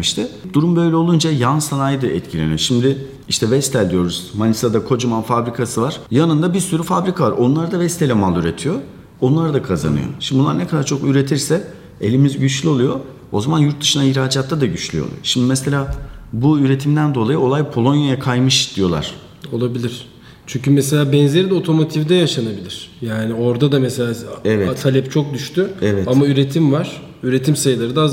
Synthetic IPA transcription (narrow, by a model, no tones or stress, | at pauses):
iʃt̪ʰɪd̪uɾumbø̞jlʲɛolˠund͡ʒajansanajɯd̪ɯɛ̰t̪cʰilʲenḭjoʃimd̪ɪ | iʃt̪ʰɛvɛst̪ʰælʲd̪ijo̞ɾuz̥manʲisad̪akʰo̞d͡ʒumanfabɾikʰasɯvaɾ̥janɯnd̪abiɾsyɾyfabɾikʰavaɾo̞nlˠaɾad̪avɛst̪ʰelʲɛmalˠyɾet̪ʰijo̞ | onlˠaɾɯd̪akʰaza̰nɯ̰jo̰ʃimbunˠa̰ɾnɛkʰad̪aɾt͡ʃʰo̞kyɾe̞t̪ʰiɾsɛ | e̞lʲimizɟyt͡ʃlʲyo̞lˠujo̞ | o̞zamanjuɾt̪̚d̪ɯʃɯnaiɾaːd͡ʒat̪ːad̪aɟyt͡ʃlʲy̰jo̰lˠṵjo̰ʃimd̪imɛselʲaːbuyɾe̞t̪ʰimd̪ænd̪o̞lˠajɯo̞lˠajpʰo̞lˠo̞njajakʰajmɯʃd̪ijo̞lˠa̰ɾ̥ | o̞lˠabilʲiɾ̥ | t͡ʃʰyɲcymɛselʲaːbɛnzeɾid̪ɛot̪ʰo̞mo̞t̪ʰivd̪ɛjaʃanabilʲiɾ̥jaːnio̞ɾd̪ad̪amɛselʲaːɛvɛt̪ʰalʲɛpt͡ʃʰo̞k̚d̪yʃt̪yɛvɛtamayɾe̞t̪ʰimvaɾ̥ | yɾe̞t̪ʰimsajlˠaɾɯd̪a